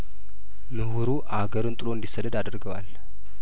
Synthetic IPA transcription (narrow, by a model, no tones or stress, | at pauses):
mɨhuɾuʔaɡəɾɨnt̪ʼɨloɨnd̪isəd̪əd̪ad̪ɾɡəwa̰l